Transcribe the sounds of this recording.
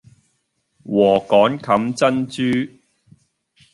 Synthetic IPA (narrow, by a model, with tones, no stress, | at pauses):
wɔː˨˩kɔː˨˥nkʰɐ˨˥mt͡sɐ˥nt͡ʃyː˥